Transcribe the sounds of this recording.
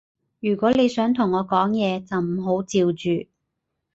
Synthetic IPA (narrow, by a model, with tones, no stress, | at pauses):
jyː˨˩kʷɔː˨˥le˨˧jsœː˨˥ŋt̪ʰʊ˨˩ŋːɔː˨˧kɔː˨˥ŋjɛː˨˧t͡sɐ˨wm̩˨˩ɦo˨˥wt͡siː˧wt͡ʃyː˨